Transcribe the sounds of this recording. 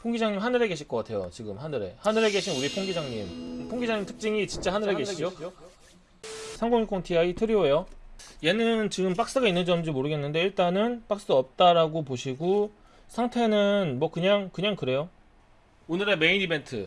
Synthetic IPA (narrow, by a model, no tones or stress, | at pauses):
pʰoŋɡid͡ʑaŋɲimɦanɯɾe̞ɡe̞ɕʰiɭk͈ʌk͈atʰe̞jo̰t͡ɕiɡɯmhanɯɾe̞̰hanɯɾe̞ɡe̞ɕʰinuɾipʰoŋɡid͡ʑaŋɲimpʰoŋɡid͡ʑaŋɲimtʰɯ̥k̚t͡ɕ͈iŋit͡ɕint͡ɕ͈ahanɯɾe̞ɡe̞ɕʰo | sʰaŋɡoŋikʰoŋtʰiaitʰɯɾioejoje̞nɯnt͡ɕiɡɯmp͈ak̚s͈ɯɡainːɯnd͡ʑʌmd͡ʑimoɾɯɡe̞nːɯnde̞iɭt͈anɯnp͈ak̚s͈ɯʌp̚t͈aɾaɡopoɕʰiɡo | sʰaŋtʰe̞nɯnmwʌkɯɲaŋkɯɲaŋkɯɾe̞jo | onɯɾe̞me̞inibe̞ntʰɯ̰